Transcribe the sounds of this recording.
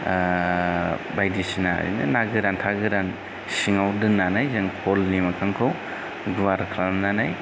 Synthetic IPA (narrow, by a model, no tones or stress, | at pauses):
bajdisina̰jnɯ̰naɡɯɾantʰaɡɯɾan | siŋawdɯnːanajzaŋkʰɔlːimakʰaŋkʰaw | ɡuwaɾkʰlamnanaj